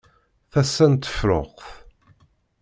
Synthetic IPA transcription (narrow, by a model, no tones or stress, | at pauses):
θæsːænt̪ə̥fɾo̰qθ